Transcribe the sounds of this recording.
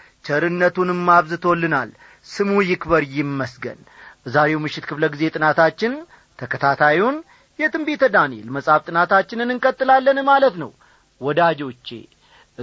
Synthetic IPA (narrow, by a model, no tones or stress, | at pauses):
t͡ʃʰəɾɨnːət̪unɨmːaβzɨt̪ʰo̞lːɨna̰l | sɨmujɪkbəɾjɪmːəsɡə̰n | zaɾe̞wmɨʃːɪt̪kʰɨfləɡize̞t̪ʼɨnat̪ʰat͡ʃːɪn | t̪ʰəkʰət̪ʰat̪ʰajiwun | jɛt̪ʼɨmbet̪ʰəd̪anḛlməsʼaft̪ʼɨnat̪at͡ʃːɪnɨnɨŋkʼət̪ʼːɨlalːənmalət̪nə̰w | wɔd̪ad͡ʒo̞t͡ʃːḛ